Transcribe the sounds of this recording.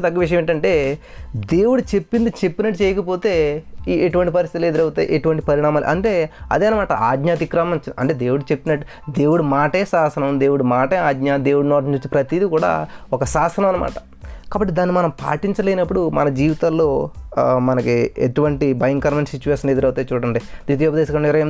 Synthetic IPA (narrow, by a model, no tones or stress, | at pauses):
d̪ɐɡːɐʋiʂ̬ɐmeːɳʈɐɳʈe̞ː | d̪e̞ːwuɽut͡ʃe̞pːind̪ut͡ʃe̞pːinɐʈːut͡ʃɛːjɐkɐp̬o̞ːt̪e̞ːeʈuʋɐɳʈipɐɾist̪it̪ileːd̪iɾɐwut̪aːiʔeʈuʋɐɳʈipɐɾiɳaːmaːlṵʔɐ̰ɳʈe̞ːɐ̰d̪eːnɐmaːʈɐaːɡ̪ɲaːt̪̬ikɾaːmɐmt͡ʃɐ̰ɳʈeːd̪e̞ːwuɽut͡ʃe̞pːinɐʈːu | d̪e̞ːwuɽumaːʈeːsaːsɐnɐmd̪e̞ːwuɽumaːʈeːaːd̪ɲaːd̪eːwɽunɔːɾɲt͡ʃut͡ʃːipɾɐt̪id̪ikuːɽa̰ːɔkɐsaːsɐnɐmɐnɐma̰ːʈɐ̥ | kaːbɐʈːid̪aːnːimɐnɐmpa̰ːʈiɲt͡ʃɐleːnɐpːuɽumɐnɐd͡ʒiːʋit̪aːlːoːmɐnɐkieʈuʋɐɳʈibɐjɐŋkɐɾmɐnsit͡ʃːuʋeːʂɐnled̪ɐɾɐwt̪aːjt͡ʃuːɽɐɳɖid̪iːt̪oʋjubɐd̪ɛːʃɐkɐɳiɾɐjɐ